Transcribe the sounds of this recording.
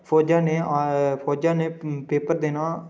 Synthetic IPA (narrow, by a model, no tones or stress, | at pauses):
pʰoːd͡ʒãːneːapʰoːd͡ʒãːneːpeːpəɾd̪eːnaː